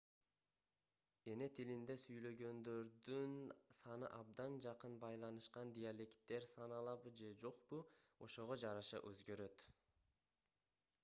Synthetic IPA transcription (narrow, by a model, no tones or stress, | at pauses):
e̞ne̞t̪ʰilind̪e̞syjlø̞ɡø̞nd̪ø̞ɾd̪ynsɑnɯʔɑb̚d̪ɑnd͡ʒɑqɯnbɑjlˠɑnɯʃqɑnd̪ijalʲe̞kt̪ːe̞ɾsɑnɑlˠɑβɯd͡ʒe̞d͡ʒo̞qbuo̞̰ʃo̞ʁo̞d͡ʒɑɾɑʃɑ̰ʔøzɡø̞ɾø̞t̪